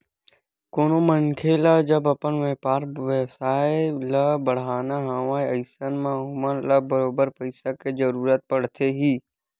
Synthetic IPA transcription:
koːnoməŋkʰelad͡ʒəbɐpənʋeːpaːɾʋesaːelabəɽ̤aːnaɦãːʋaːeəɪsənmãɦʊməɾləbəɾoːbəɾpəɪsakezɐɾuːɾət̪̚pəɽ̤t̪eɦiː

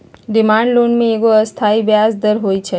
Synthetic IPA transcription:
ɖɪmãːɳɖloːnɖmẽekoɐst̪ʰaːibjaːzd̪əɾɦoːit͡ʃʰe

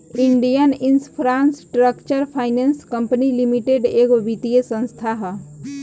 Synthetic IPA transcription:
iɳɖijənɪnspʰɾaːnsʈɾəkt͡ʃəɾpʰaːɪnenskə̃mpənilimiʈeɖeːkʋit̪ijesə̃nst̪ʰaɦ

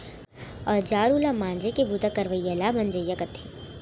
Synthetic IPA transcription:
ɔːɾd͡ʒaːɾuːlamãːnd͡ʒekebut̪akɐɾʋəjalamɐ̃nd͡ʒəjːakɐt̪ʰe

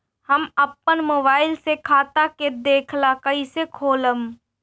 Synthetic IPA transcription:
həməpːənmoːbaːɪlsekʰaːt̪aked̪eːkʰlakəisekʰoːləm

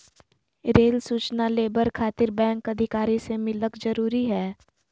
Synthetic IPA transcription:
ɾeːlsuːt͡ʃnaleːbəɾkʰaːt̪ɪɾbɛ̃ːŋkɐd̪ʱɪkaːɾisemɪləkzɐɾuːɾiɦɛː

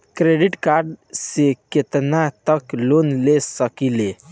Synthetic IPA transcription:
kɾeɖiʈkaɾɖseket̪nat̪əklonlesəkile

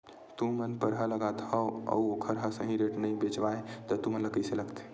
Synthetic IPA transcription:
t̪ũmənpəɾɦələɡat̪həoə̰uokʰəɾɦəsə̃ɦĩɾeʈnəĩbet͡ʃʋaet̪ɔt̪umənləkəseləɡt̪ʰ

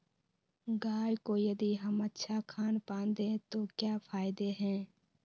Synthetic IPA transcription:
ɡaːjkoːjɐd̪iɦəmətːʃʰakʰaːnpãːnd̪ẽt̪oːkjaːpʰaːɪd̪eɦɛ̃ː

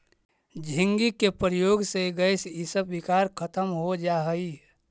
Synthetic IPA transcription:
d͡ʒʱĩŋɡikepɾəjoɡseɡəɪsisəbbikaːɾkʰət̪əmɦod͡ʒaɦəi

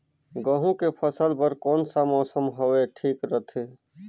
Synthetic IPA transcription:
ɡəɦũkepʰəsəlpəɾkɔːnsamɔːsəmɦoweʈʰiːkɾət̪ʰeː

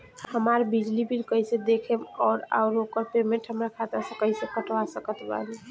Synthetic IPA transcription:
həmaɾbid͡ʒlibiɾkəised̪ekʰemɔɾa̰ʊɾɦokəɾpemeɳʈɦəmɾakʰat̪nasə̃kəɦisekəʈʋasəkət̪ba̰li

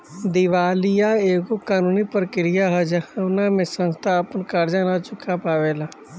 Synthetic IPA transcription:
d̪ɪʋaːlɪjaeːkokaːnuːnipɾkɪɾɪjaɦəd͡ʒanamẽsə̃nst̪ʰaəpənkaɾd͡ʒanat͡ʃʊkʰapaːʋeːlaː

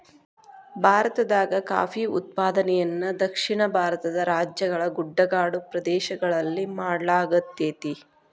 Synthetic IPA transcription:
bʱaːɾɐt̪ɐd̪aːɡɐka̰ːfiut̪̚paːd̪ɐnɛjɐnːɐd̪ɐkʂiɳɐbʱaːɾɐt̪ɐd̪ɐɾaːd͡ʒjɐɡɐɭɐɡuɖːɐɡaːɽupɾɐd̪ɛːʃɐɡɐɭɐlːimaːɽɐlaːɡɐt̪ːeːt̪i

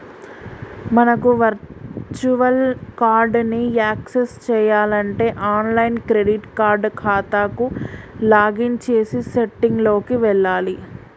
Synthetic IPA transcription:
mɐnɐkuʋɐɾt͡ʃuʋɐlkaːɾɖniaːksest͡ʃɛːjaːlɐɳʈe̞ːʔaːnlɐjnkɾeɖiʈkaːɾɖkʰaːt̪aːkulaːɡint͡ʃeːsiseʈːiŋɡlo̞ːkiʋɛɭːaːli

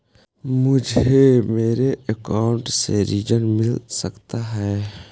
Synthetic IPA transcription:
mʊd͡ʒʱemeːɾeəkaːʊɳʈsḛɾiːd͡ʒənmɪlsəkt̪aɦɛː

